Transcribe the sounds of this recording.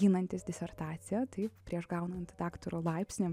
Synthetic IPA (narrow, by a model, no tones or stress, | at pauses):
iːnɐnʲt̪ʲɪsd̪ʲɪsʲɛrt̪ɑːt̪sʲɪjɛt̪ɐɪppʲɾʲiɛʃɡɐʊnɐnt̪ʲd̪ɑːkt̪oɾoːlˠɐˑɪpʲsʲnʲɪ